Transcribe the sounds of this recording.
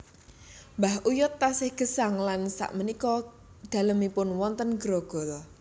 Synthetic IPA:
mbahʔujʊt̪ːasɪhɡ̥ə̤saŋlansa̰ʔmənikɔ | d̪̥a̤ləmipʊnwɔnt̪ənɡ̥ɾɔɡ̥ɔ̤lɔ

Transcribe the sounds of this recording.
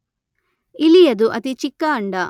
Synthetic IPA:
ilijɐd̪uʔɐt̪it͡ʃikːɐːɳɖɐ

